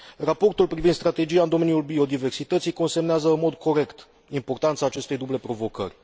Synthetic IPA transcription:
rapo̞rt̪ulpɾivind̪st̪ɾat̪e̞d͡ʒiaɨnd̪o̞me̞njulbio̞d̪ive̞rsit̪ət̪sijko̞nsemneazəɨnmo̞d̪kʰo̞ɾe̞kt̪ | impo̞rt̪ant̪saːt͡ʃe̞st̪e̞jd̪uble̞pɾo̞vo̞kə̰rʲ

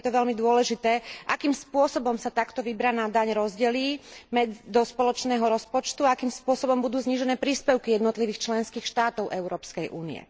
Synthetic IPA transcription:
ɛt̪ɔʋɛlmid̪ʊɔlɛʒit̪ɛːʔakiːmspʊɔsɔbɔmsat̪akt̪ɔʋibɾaːnad̪aɲɾɔzɟɛliːmɛd͡zd̪ɔspɔlɔt͡ʃnɛːɦɔɾɔspɔt͡ʃt̪uaakiːmspʊɔsɔbɔmbud̪uːzɲiʒɛnɛːpɾiːspɛʊkijɛd̪nɔt̪liʋiːxt͡ʃlɛnskiːxʃt̪aːt̪ɔʊʔɛʊɾɔːpskɛjʔṵːnḭɛ̰

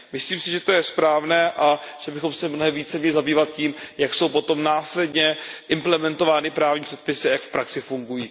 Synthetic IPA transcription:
mɪsliːmsɪʒɛt̪o̞jɛspɾaːvnɛːʔa | ʒ̥ɛbɪxo̞msɛmnoɦɛmviːt͡sɛmɲɛlɪzabiːvat̪̚ciːmjakso̞wpo̞t̪omnaːslɛd̪ɲɛʔɪmplɛmɛnt̪o̞vaːnɪpɾaːvɲiːpr̥ɛt̪̚pɪsɪajakfpɾʔaksɪfuŋɡujiː

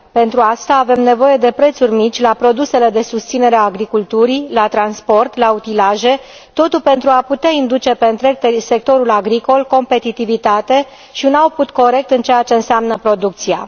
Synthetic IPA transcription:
pe̞nt̪ɾuast̪aːve̞mne̞vo̞je̞d̪e̞pɾe̞t̪surʲmit͡ʃʲlapɾo̞d̪use̞le̞d̪e̞sust̪sineɾeaːɡɾikult̪uɾilat̪ɾanspo̞rt̪laut̪ilaʒe̞ | t̪o̞t̪ulpe̞nt̪ɾuaput̪eaind̪ut͡ʃe̞pe̞ɨnt̪ɾe̞k̚t̪ese̞k̚t̪o̞ɾulaɡɾiko̞lko̞mpe̞t̪it̪ivit̪at̪e̞ | ʃiunauput̪ko̞ɾe̞k̚t̪ɨnt͡ʃe̞jat͡ʃe̞ɨnseamnəpɾo̞d̪uk̚t̪sia̰

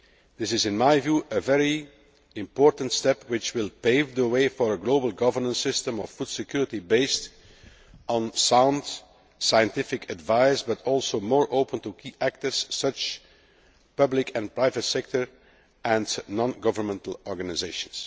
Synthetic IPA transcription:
d̪ɪsɪzɪ̃nmaɪvjuːʔəvɛɹi | ɪ̃mpɔːɹtə̃n̩tstɛpwɪt͡ʃwɪlˠpeɪvdəweɪfɔɹəɡloʊbəlˠɡʌvəɹnə̃nsɪstə̃mɔfːud̥sɪkjuːɹɪtibeɪst | ɔ̃nsãʊ̃nd | sajə̃ntɪfɪkʰədvaɪzbʌtʰɔlˠsoʊmɔːɹʔoʊpə̃ntukʰiːʔæk̚təɹsːʌt͡ʃ | pʌblɪkɛ̃npɹaɪvətsɛk̚tə˞ | ɛ̃nnɔ̃nɡʌvə˞mɛ̃ntəl̩ˠɔɹɡanɪzeɪʃə̃ns

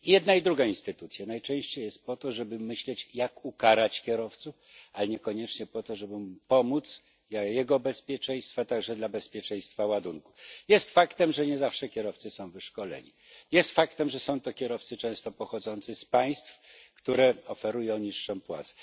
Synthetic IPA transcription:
jɛd̪naid̪ɾuɡainst̪ɘt̪ut̪sʲjanajt͡ʂɛ̃w̃ɕt͡ɕejɛst̪̚pɔt̪ɔʐɛbɘmɘɕlɛt͡ɕjakukaɾat͡ɕkʲjɛɾɔft̪suf | alɛɲɛkɔɲɛt͡ʂɲɛpɔt̪ɔʐɛbɘmupɔmut̪s | jɛɡɔbɛspʲjɛt͡ʂɛj̃st̪fat̪aɡʐɛd̪labɛspʲjɛt͡ʂɛ̃j̃st̪fawad̪uŋkujɛst̪fakt̪ɛmʐɛɲɛzafʂɛkʲjɛɾɔft̪sɘsɔ̃w̃vɘʂkɔlɛ̰ɲḭ | jɛst̪fakt̪ɛmʐɛsɔ̃w̃t̪ɔkʲɛɾɔft̪sɘt͡ʂɛ̃w̃st̪ɔpɔxɔd̪zɔnt̪sɘspaj̃st̪fkt̪uɾɛɔfɛɾujɔ̃w̃ɲiʂːɔmpwa̰t̪sɛ̥

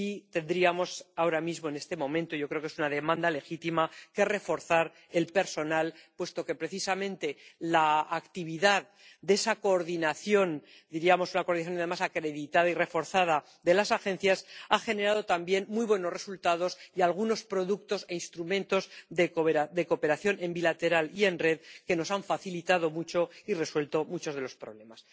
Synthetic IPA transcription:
it̪e̞nd̪ɾiamo̞sao̞ɾamizmo̞e̞ne̞st̪e̞mõ̞mẽnt̪ojʝo̞kɾeokesunaðe̞mãnd̪ale̞xit̪imake̞re̞fo̞ɾθaɾ | e̞lpe̞ɾso̞nalpwe̞st̪o̞ke̞pɾe̞θisamẽ̞nt̪e̞laːkt̪iβiðað | d̪e̞sako̞ːɾðinaθjo̞n | d̪iɾiamo̞sunako̞ɾðinaθjonaðe̞masakɾe̞ðit̪aðaire̞fo̞ɾθað̞a | d̪e̞lasaxe̞n̟θjasaχe̞neɾað̞o̞t̪ambje̞nmujβwe̞noresult̪að̞o̞sialɣuno̞spɾo̞ðukt̪o̞se̞inst̪ɾumẽ̞nt̪o̞zðekoad̪e̞ko̞pe̞ɾaθjo̞ne̞mbilat̪e̞ɾalie̞nreðke̞no̞saɱfaθilit̪aðo̞mut͡ʃo̞ire̞swe̞lt̪o̞mut͡ʃo̞zðe̞lo̞spɾo̞βle̞mas

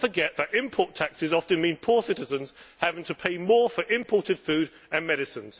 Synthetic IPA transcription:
fəɡɛʔðətɪ̃mpʰɔˑtʰaksɪzɒftə̃nmĩːnpʰɔːsɪtɪzə̃nz̥havɪ̃ŋtʰəpʰeɪmɔːfəɹʔɪ̃mpʰɔˑtɪd̥fʉːɾ | ə̃nmɛɾɪsə̃nz̥

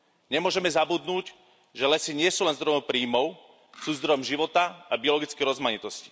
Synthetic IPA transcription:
ɲɛmʊɔʒɛmɛzabud̪nuːc | ʒɛlɛsiɲɪɛsuːlɛnzd̪ɾɔjɔʊpɾiːmɔʊ | suːzd̪ɾɔjɔmʒiʋɔt̪aabiɔlɔɡit͡skɛɾɔzmaɲit̪ɔsci̥

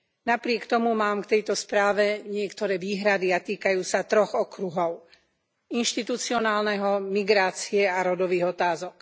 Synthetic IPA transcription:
napɾɪɛkt̪ɔmumaːmkt̪ɛjt̪ɔspɾaːʋɛɲɪɛkt̪ɔɾɛːʋiːɦɾad̪iat̪iːkajuːsat̪ɾɔɣɔkɾuɦɔʊ | inʃt̪it̪ut͡siɔnaːlnɛɦɔmiɡɾaːt͡siɛaɾɔd̪ɔʋiːɣɔt̪aːzɔk

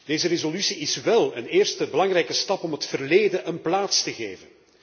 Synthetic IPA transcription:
d̥eːzərezolysiɪsʋɛlˠəneːrstəbəlɑŋrɛjkəstɑpɔmɦətfərleːdəʔənplaːtstəɣḛːvən

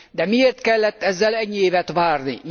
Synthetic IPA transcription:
d̪ɛmieːrt̪kɛlːɛt̪ːɛzːɛlɛɟːieːvɛt̪ʋaːrnḭ

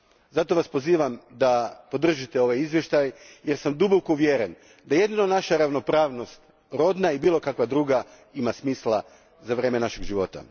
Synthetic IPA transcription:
zat̪o̞ʋaspo̞ziːʋamd̪apo̞d̪r̩ʒit̪eo̞ʋajizʋje̞ʃt̪ajje̞ɾsamd̪ubokoʋjeɾen | d̪aje̞d̪inonaʃaɾaʋno̞pɾaːʋno̞st̪ | ɾo̞d̪naibiːlo̞kakʋad̪ɾuːɡa | imasmiːslˠa | zaʋɾjeːmenaʃeɡʒiʋo̞t̪a̰

